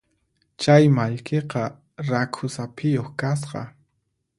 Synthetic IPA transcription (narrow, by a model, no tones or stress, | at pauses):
t͡ʃajmaʎkeqɑ | ɾakʰʊsapʰɪjoχkas̬qɑ̰